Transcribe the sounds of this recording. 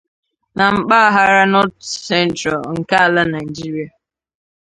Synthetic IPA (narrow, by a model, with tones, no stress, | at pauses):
na˨m̩˦k͡pa˦a˦ɦa˦ɾa˦nɔ˦tsɛ˦n˦tɾa˨lŋ̩˨ka˦a˨la˦na˨i˨d͡ʒi˦ɾi˨a˨